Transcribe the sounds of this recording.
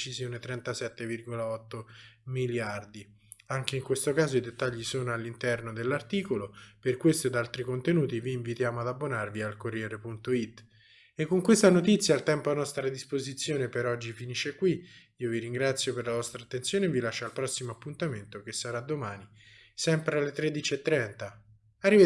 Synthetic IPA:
t͡ʃizjoːnet̪ɾɛnt̪asɛt̪ːevirɡolaɔt̪ːomiljard̪i | aŋkeiŋkwest̪okaːzoid̪et̪ːaʎːisoːnoalːint̪ɛrnod̪elːart̪iːkoloperkwest̪oed̪alt̪ɾikont̪enuːt̪iviːɱvit̪jaːmoad̪abːonarvialkorːjɛːɾepunt̪oit̪ː | ekːoŋkwest̪anot̪it̪sːjaːlt̪ɛmpoanɔst̪ɾad̪ispozit̪sːjoːnepeɾɔd͡ʒːifiniʃːekwi | iːoviɾiŋɡɾat̪sːjoperlavɔst̪ɾaːt̪ːentsjoːnevilaʃːalpɾɔsːimoapːunt̪ament̪okesːaɾad̪ːomaːni | sɛmpɾealːet̪ɾed̪it͡ʃiet̪ːɾɛnt̪a | arːive

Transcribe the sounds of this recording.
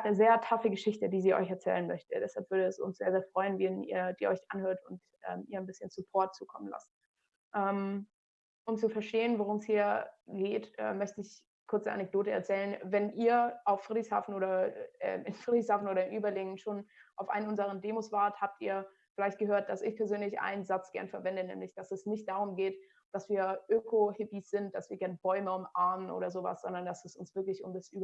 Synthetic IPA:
atnəzeːɐtʰafəɡəʃɪçtədiːziːʔɔ̰ʏçɛɐt͡sɛ̰ːlənmœçtədɛshalpv̥ʏɐɾəɛsʊ̰nsz̥eːɐzeːɐfʁ̥ɔʏənviːnḭːɐdiːɐʔɔ̰ʏçʔanhøːɐtʊnt | ʔɛ̰ːmʔiːɐanbɪsçənsupʰɔɐt̚t͡suːkʰɔmənla̰s | ʔɛːm | ʔʊmt͡sufɛɐʃteːənvoʁʊmshiːɐɡeːtʔɛ̰ːœçtəɪç | kʰʊɐt͡səʔa̰nɛk̚d̥oːtəɛɐt͡sɛːlənvɛnʔiːɐaʊfːʁ̥idʁɪçsha̰ːfn̩oːɾɐʔɛ̰ːɪnfʁidʁɪshaːfn̩ʔoːɾɐɪnʔyːbɐlɪŋənʃoːnʔaʊfʔa̰ɪnʊnzəʁəndeːmosv̥aːɐthaːp̚tiːɐ | fɪlaɪçt̚ɡ̥əɦøːɐt̚d̥asɪçpʰɛɐzøːnlɪçʔa̰ɪnənzat͡sɡ̥ɛ̰ɐnfɛɐvɛndənɛ̰ːmlɪçd̥asɛsnɪçt̚d̥aʁ̞ʊmɡeːt | d̥asv̥iːɐʔøːkʰohɪpisz̥ɪnt̚d̥asv̥iːɐɡɛɐnəb̥ɔʏməʊmʔaɐmənʔo̰ːɾɐzoːva̰sz̥ɔndɐnd̥asɛsʊnsv̥ɪɐklɪçʊmdasʔyːb

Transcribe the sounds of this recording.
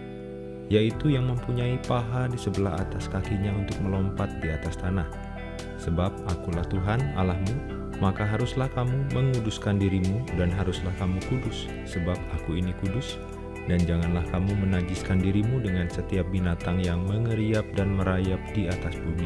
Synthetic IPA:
jait̪ujaŋməmpuɲaipaɦadisəbəlaɦa̰t̪askakiɲaunt̪ʊk̚məlɔmpat̪̚diat̪ast̪anah | səbap̚akulaht̪uɦana̰lahmu | makaɦaɾuslahkamuməŋuduskandiɾimudanɦaɾuslahkamukudʊsː | əbap̚akuinikudʊs | dand͡ʒaŋanlahkamumənad͡ʒɪskandiɾimudəŋansət̪iap̚binat̪aŋjaŋməŋəɾiap̚danməɾajap̚diat̪asbumi

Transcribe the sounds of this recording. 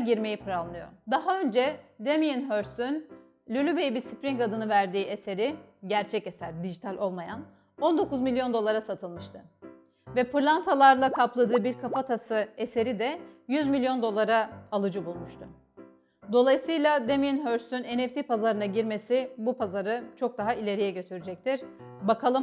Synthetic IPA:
ɟiɾme̞jipʰɾalˠnɯjo̞̰d̪aɦaø̞nd͡ʒɛd̪emijinɦøɾsyn | lʲylʲybejibiɾsipɾiŋkad̪ɯnɯvæɾd̪iːʔe̞se̞ɾiɟæɾt͡ʃʰɛce̞sæɾd̪id͡ʒit̪ʰalʲʔo̞lˠmajan | o̞nd̪o̞kuzmilʲjo̞nd̪o̞lˠaɾasat̪ʰɯlˠmɯʃt̪ʰɯ | vɛpɯɾlˠant̪ʰalˠaɾlˠakʰaplˠad̪ɯːbiɾkʰafat̪ʰasɯe̞se̞ɾid̪ɛjyzmilʲijo̞nd̪o̞lˠaɾaalˠɯd͡ʒɯbulˠmuʃt̪ʰʊ | d̪o̞lˠajsɯjlˠad̪emiinɦøɾsyne̞nɛft̪ʰipazaɾɯnaɟiɾme̞sibupʰazaɾɯt͡ʃʰo̞k̚d̪aɦailʲe̞ɾijɛɟø̞t̪ʰyɾyd͡ʒɛc̚t̪ʰiɾ̥bakʰalˠɯm

